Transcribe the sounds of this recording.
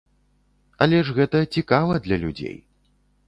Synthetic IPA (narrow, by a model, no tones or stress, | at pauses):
ɐ̰lʲɛʂɣɛt̪ɐt͡sʲikavɐd̪lʲɐlʲud͡zʲḛj